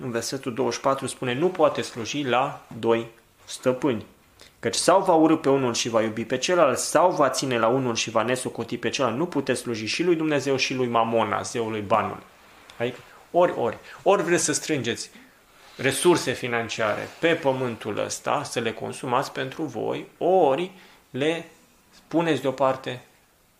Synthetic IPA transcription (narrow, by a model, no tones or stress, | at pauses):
ɨnve̞rse̞t̪uld̪o̞wəʃpat̪ɾuspune̞nupoat̪essluʒilad̪o̞j | st̪əpɨnʲ | kət͡ʃʲsawvauɾɨpe̞unulʃivajubipe̞t͡ʃe̞lalt̪sawvat̪sine̞launulʃivane̞so̞ko̞t̪ipet͡ʃe̞lalnuput̪et̪ssluʒiʃilujd̪umne̞ze̞wʃilujmamo̞na̰zeulujbanṵl | ad̪ikə | o̞ɾʲo̞̰rʲo̞rʲvɾe̞t̪sʲsəst̪ɾɨnd͡ʒe̞t̪sʲ | re̞surse̞finant͡ʃiaɾḛpe̞pəmɨnt̪ulə̰st̪a̰səle̞ko̞̰nsumat̪sʲpe̞nt̪ɾuvo̞̰jo̞rʲ | le̞ | spune̞t̪sʲd̪eo̞part̪e̞